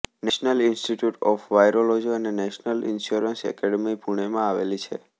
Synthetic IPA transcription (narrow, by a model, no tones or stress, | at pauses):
nɛʃnəlɪnsʈiʈjuʈɔfʋajɾolod͡ʒiənenɛʃnəlɪ̰nʃjuɾənsɛ̰kɛɽəmipuɽ̃emãaʋḛlit͡ʃʰḛ